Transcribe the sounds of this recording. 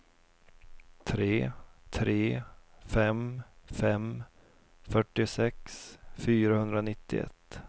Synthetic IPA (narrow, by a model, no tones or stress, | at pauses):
t̪ʰɾeːt̪ʰɾeːfɛmfɛm | fœʈːɪsɛksfyːɾahɵnd̪ɾanɪt̪ːɪ̰ɛ̰t̪ː